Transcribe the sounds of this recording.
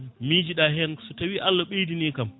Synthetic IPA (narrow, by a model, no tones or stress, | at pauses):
mid͡ʒiɗaːhɛɐnsutɐwiʔalːɐɓedineːkɐm